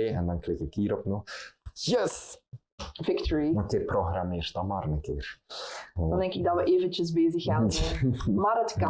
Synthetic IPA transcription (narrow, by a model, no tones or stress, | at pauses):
eːɛ̰ndɑnklɪkɪkiːɾɔpnɔxjɛs | vɪktɔɹiokeːproɣrameːrt̚dɑnmaːɾənəkɪːr | ndɛŋkɪɡ̚dɑtʋəʔeːvənt͡ʃəzbeːzəxaː | maːɾətkɑ